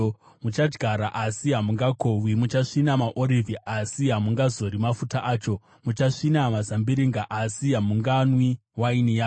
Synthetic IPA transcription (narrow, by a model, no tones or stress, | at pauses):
mut͡ʃad͡ʒɡʱaɾaʔasiɦamuŋɡakʰowimut͡ʃaʂinamaʔoɾiviʔasiɦamuŋɡazo̞ɾimafutaʔaːt͡ʃo̞ | mut͡ʃaʂinamazambiɾiŋɡaʔasiɦamuŋɡanwiwainijaː